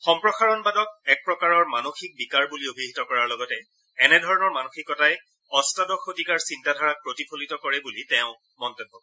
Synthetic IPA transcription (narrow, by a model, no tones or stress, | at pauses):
xɔmpɹɔxaɹɔnbadɔtɛk̚pɹɔkaɹɔɹmanoxik̚bikaɹbuliobʱiɦitɔkɔɹaɹlɔɡɔtɛ | ɛnɛdʱɔɹɔnɔɹmanoxikɔtaj | ɔstadɔxʰotikaɹsintadʱɔɹak̚pɹotipʰolitɔkɔɹɛbulitɛʊ̃ | mɔntɔbɦːɔbɔ